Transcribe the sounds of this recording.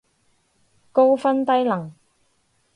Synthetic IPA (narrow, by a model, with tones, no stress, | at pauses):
ko˥wfɐ˥nt̪ɐ˥jlɐ˨˩ŋ